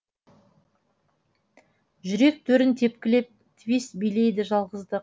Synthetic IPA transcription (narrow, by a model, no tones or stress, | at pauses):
ʒʏɾe̞k̚t̪ʰɵɾɪnt̪ʰe̞pkʲɪle̞p̚ | t̪ʰvest̪bijle̞jd̪ɪʒɑlˠʁəzd̪ə